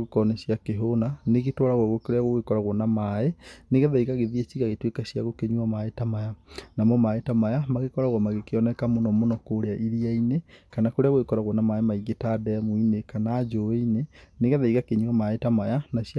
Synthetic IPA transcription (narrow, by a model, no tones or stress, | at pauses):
okɔnesjakeɦonaneɣetwɔɾaɣwɔɣokoɾeaɣoɣekɔɾaɣwɔnamaeneɣɛðaiɣaɣeðiet͡ʃiɣaɣetwekaɕjaɣokeɲuamaetamajanamɔmaetamajamaɣekɔɾaɣwɔmaɣekeɔnɛkamonɔmonɔkoɾeaʔiɾiainekanakoɾeaɣoekɔɾaɣwɔnamaemaiɡetadɛmoinekanaːd͡ʒoeineneɣɛðaiɣakeɲuwamaetamajanaɕ